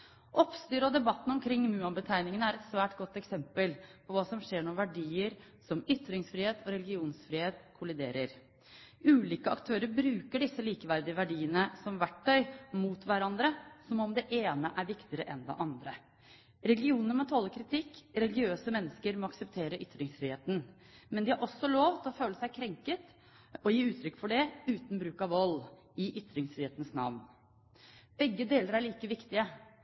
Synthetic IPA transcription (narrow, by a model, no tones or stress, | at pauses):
ʔɔpst̪yːɾəɔd̪ɛbɑt̪ːn̩ɔmkʰɾɪŋːmʉːɑnbət̪ʰæɪnɪŋənəæɾɛt̪sʋæːʈɡɔt̪ːɛksɛmpəlpʰɔʋɑːsɔmʂeːɳɔʋæɖiːəɾ | sɔmʏt̪ɾɪŋsfɾɪːheːt̪ʰɔɾɛlɪɡɪuːnsfɾiːheːt̪kʰʊlɪd̪ḛːɾəɾ | ʉːliːkəɑ̰kt̪ʰøːɾəɾbɾʉːkəɖɪsːəliːkəʋæɾd̪ɪəʋæɖiːənəsɔmʋæʈʰːœʏmuːt̪ʋæɾɑnd̪ɾəsɔmɔmd̪ɛʔeːnəʔæɾʋɪkt̪ɪəɾəʔɛnd̪ɛ̰ʔɑnd̪ɾə | ɾɛlɡɪuːnəmɛt̪ʰɔlːəkʰɾɪt̪ʰɪkːɾɛlɪɡɪøːsəmɛnːəskəɾmɔɑksɛpt̪ʰeːɾəʔʏt̪ːɾɪŋsfɾɪːheːt̪n̩ | mɛnd̪ɪhɑɾʔɔsːɔloːʋt̪ʰɪlɔføːləsæɪkʰɾɛŋkət̪ | ɔjiːʉːt̪ʰɾʏkːfɔɖɛʉːt̪n̩bɾʉːkɑʋɔlː | ɪʔʏt̪ːɾɪŋsfɾɪːeːt̪ənsnɑ̰ʋn | b̥ɛɡːəd̪eːləɾæɭiːkəʋɪkt̪ɪə